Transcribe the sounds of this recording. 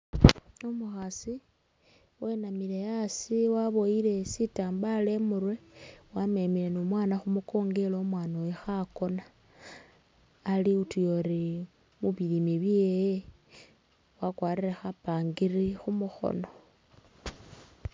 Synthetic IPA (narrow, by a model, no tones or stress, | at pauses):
omuxasi | we̞namilejasiwaβo̞ile̞sitaːmbale̞murwe̞wame̞mile̞nomwaːnaxumuko̞ːŋɡe̞loːmwaːnowexako̞na | liutujoɾi | muβilimiβjeje | wakwaːriɾexapaːŋɡirixumuxo̰no̞